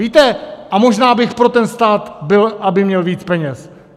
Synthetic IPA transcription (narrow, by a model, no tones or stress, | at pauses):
iːt̪ɛʔamo̞ʒnaːbɪxpɾo̞t̪ɛnst̪aːt̪bɪlʔabɪmɲɛlviːt͡spɛɲɛs